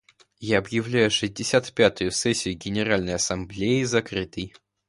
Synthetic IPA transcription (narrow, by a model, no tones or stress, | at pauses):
jaɐbjɪvlʲæjʊʂɨzʲdʲɪsʲat̪pʲat̪ʊjʊsɛsʲːɪjʊɡʲɪnʲɪɾalʲnəjɐsɐmblʲeɪzɐkɾɨt̪əj